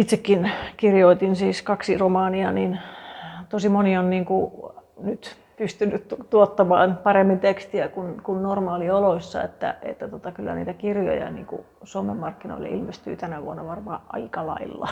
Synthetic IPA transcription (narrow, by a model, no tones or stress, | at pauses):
it̪sekːinkirjoit̪insiːskɑksiromɑːniɑnin | t̪osimonionniːŋkunyt̪ | pyst̪ynːytt̪uot̪ːɑmɑ̰ːnpɑremːint̪ekst̪iækunkunnormɑːlioloisʲːɑ̰ḛt̪ːæ̰ʔḛt̪ːæt̪ot̪ɑkylːæ̰nḭːt̪ækirjo̰jɑ̰nḭːŋkṵ | somemːɑrkːino̰ilḛʔilmest̪y̰ːt̪ænæʋṵonːɑʋɑrmɑːʔɑ̰ikɑlɑ̰ilːɑ̰